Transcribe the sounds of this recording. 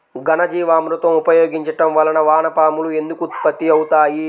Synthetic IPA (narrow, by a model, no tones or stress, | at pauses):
ɡɐnɐd͡ʒiːʋaːmɾut̪ɐmupɐjo̞ːɡiɲt͡ʃɐʈɐmʋɐlɐnɐʋaːnɐpaːmulue̞nd̪ukut̪pɐt̪ːiɐwut̪aːji